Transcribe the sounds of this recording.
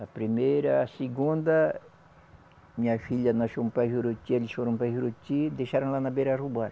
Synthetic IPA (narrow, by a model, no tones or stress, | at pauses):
apɾimeɾɐsiɡũnd̪ɐ | mĩɲafiʎanaʃompaɦuɾot͡ʃ̪ieliʃoɾõmpahuɾot͡ʃ̪id̪eʃaɾãlanabeɾarubaɾ